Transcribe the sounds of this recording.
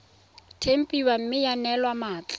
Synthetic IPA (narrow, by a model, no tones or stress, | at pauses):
tʰem̩pʼiwam̩mɪjanɛlwamaːt͡ɬʼɔ̥